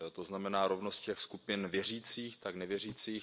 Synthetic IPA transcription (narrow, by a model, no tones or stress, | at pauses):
t̪oznamɛnaːɾovnost̪̚cɛxskupɪnvjɛr̝iːt͡siːxt̪aknɛvjɛr̝iːt͡siːx